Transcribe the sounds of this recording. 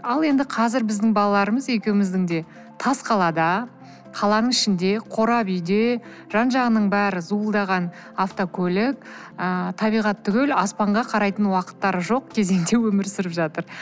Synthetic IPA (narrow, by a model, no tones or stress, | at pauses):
ɑlˠe̞nd̪ɪqʰɑzɪɾbɪzd̪ɪŋbɑlˠɑlˠɑɾəməzje̞kʲewɪmɪzd̪ɪŋd̪e̞ | t̪ʰɑsqʰɑlˠɑd̪ɑ | qʰɑlˠɑnəɴɪʃɪnd̪e̞qʰo̞ɾɑbʏjd̪e̞ | ʒ̥ɑnʒɑʁənəɴbæɾɪzuəlˠd̪ɑʁɑn | aft̪okʲʰɵlɪk̚ət̪ʰɑbijʁɑt̪ʰːʏɡʲelɑspɑɴʁɑqʰɑɾɑjt̪ənwɑqə̥t̪ːɑɾəʒo̞qkʲʰe̞ze̞ŋd̪e̞wɵmɪɾsɪɾɪpʒɑt̪əɾ